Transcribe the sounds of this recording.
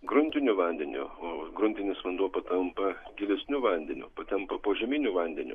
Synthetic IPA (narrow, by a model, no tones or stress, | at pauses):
ɡɾʊnʲt̪ʲɪnʲʊʋɐnʲd̪ʲɛnʲʊ̰oːɡɾʊnʲt̪ʲɪnʲɪsʋɐnd̪uɔpɐt̪ɐmpɐɡʲɪlʲɛsʲnʲʊʋɐnʲd̪ʲɛnʲʊ̰pɐt̪ʲɛmpɐpoːʒʲɛmʲinʲʊʋɐnʲd̪ʲɛnʲʊ̰